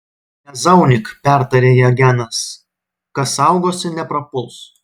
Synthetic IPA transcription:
ɛzɐʊnʲɪkpʲæˑɾt̪ɐɾʲeːjɛɡʲænɐs | kɐsɑˑʊɡoːsʲɪnʲɛpɾɐpʊlˠs

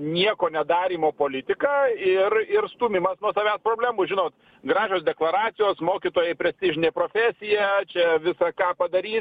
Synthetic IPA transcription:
nʲiɛkoːnʲɛd̪ɑːɾʲiːmoːpoːlʲɪt̪ʲɪkɑːɪrɪrst̪uːmʲɪmɐsnuɔsɐʋʲæːspɾoːbʲlʲæːmʊʒʲɪnoːt̪ | ɡɾɑːʒʲoːsd̪ʲɛklˠɐɾɑːt̪sʲɪjoːsmoːkʲiːt̪oːjɛɪpʲɾʲɛsʲt̪ʲɪʒʲɪnʲeːpɾoːfʲæːsʲɪjɛt͡ʃʲɛʋʲɪsɑkɑːpɐd̪ɐɾʲiːs

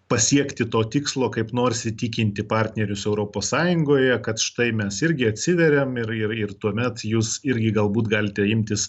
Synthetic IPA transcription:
pɐsʲiɛkt̪ʲɪt̪oːt̪ʲɪkslˠoːkɐɪpnoːrsʲɪt̪ʲɪkʲɪnʲt̪ʲɪpɑːɾʲt̪ʲnʲɛɾʲʊsɛʊɾoːpoːssɑːjʊŋɡoːjɛkɐt̪ʃɪ̥t̪ɐɪmʲɛsɪɾʲɡʲɪɐt̪ʲsʲɪʋʲɛɾʲɛmɪrɪrɪrt̪uɔmʲɛt̪juːsɪɾʲɡʲɪɡɐlˠbuːt̪ɡɑːlʲɪt̪ʲɛɪmʲt̪ʲɪs

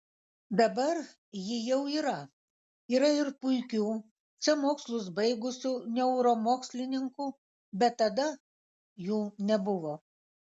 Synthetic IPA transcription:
d̪ɐbɐɾ | jɪjɛʊiːɾɐ | iːɾɐɪɾpʊɪkʲuː | t͡sʲɛmoːkslˠʊs̬bɐɪɡʊsʲunʲɛʊɾoːmoːksʲlʲɪnʲɪŋkuː | bʲɛt̪ːɐd̪ɐ | juːnʲɛbʊʋoː

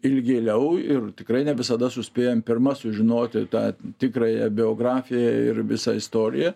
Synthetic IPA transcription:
ɪlʲɡʲeːlʲɛʊɪrt̪ʲɪkɾɐɪnʲɛʋʲɪsɐd̪ɐsʊsʲpʲeːjɛmpʲɪrmɐsʊʒʲɪnoːt̪ʲɪt̪ɑːt̪ʲɪkrɐjɛbʲɪoːɡrɑːfʲɪjɛɪ̰rʋʲɪsɐɪst̪oːɾʲɪ̰jɛ

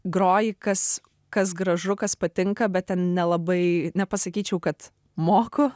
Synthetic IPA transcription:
ɡɾoːjɪkɐs | kɐs̬ɡɾɐʒʊkɐspɐt̪ʲɪŋkɐbʲɛt̚tʲɛnnʲɛlˠɐbɐɪnʲɛpɐsɐkʲiːt͡ʃʲɛʊkɐt̪ | moːkʊ

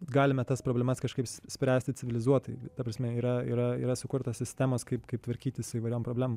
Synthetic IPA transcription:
ɡɑːlʲɪmʲɛt̪ɐspɾoːblʲɛmɐskɐʃkɐɪpssʲpʲɾʲæːsʲt̪ʲɪt͡sʲɪʋʲɪlʲɪzuɔt̪ɐɪt̪ɐːpɾɐsʲmʲɛiːɾɐḭːɾɐḭːɾɐsʊkʊɾt̪ɐssʲɪsʲt̪ʲæmoːskɐɪpkɐɪp̚t̪ʋɐɾʲkʲiːt̪ʲɪsʊiːʋɐɪɾoːmpɾoːbʲlʲæːmo

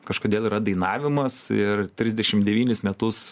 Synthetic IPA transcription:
kɐʃkoːd̪ʲeːlˠiːɾɐd̪ɐɪnɑːʋʲɪmɐsɪrt̪ʲɾʲɪzʲd̪ʲɛʃʲɪmdʲɛʋʲiːnʲɪsmʲɛt̪ʊs

